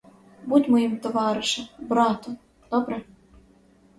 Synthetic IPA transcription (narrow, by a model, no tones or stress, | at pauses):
but̪ʲmɔjimt̪ɔʋɑɾɨʃɛmbɾɑt̪ɔ | d̪̥ɔbɾɛ